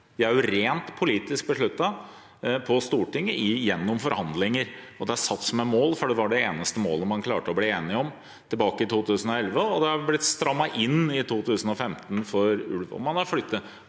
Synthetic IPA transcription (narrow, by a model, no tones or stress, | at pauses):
jææɾjʊɾeːnt̪pʰʊliːt̪ɪsk̚bəʂɭʉt̪ːɑ | pʰɔst̪uːʈɪŋːəʔɪjɛnːɔmfɔɾhɑnd̪lɪŋəɾɔd̪ɛæsɑt̪ːsɔmɛmoːlfɔɖɛʋɑɖɛeːnəst̪əmoːləmɑnkʰlɑ̰ːʈəɔbliːeːnɪɔm | t̪ʰɪlbɑːkəɪt̪ʰuːt̪ʰʉːsən̩ɔɛlʋəɔd̪ɛɑɾblɪt̪st̪ɾɑmːɑʔɪnːɪt̪ʰuːt̪ʰʉːsənɔfɛmt̪nfɔɾʉ̰lʋ̰mɑnɑɾflʏt̪ːə